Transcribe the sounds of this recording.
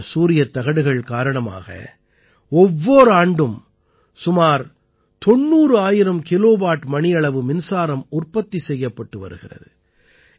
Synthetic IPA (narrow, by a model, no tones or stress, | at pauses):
suːɾɪjɐt̪ːɐɣɐɽɯɣɐɭkaːɾɐɳɐma̰ːɣɐ̰ | ɔʋːoːɾɯaːɳɖɯm | sʊmaːɾ | t̪ɔnːuːɾɯaːjɪɾɐmkɪloːʋaːʈmɐɳɪjɐɭɐʋɯmɪnsaːɾɐmʊrpɐt̪ːisɛjːɐpːɐʈːɯʋɐ̰ɾɯɣɪrɐ̰ðɯ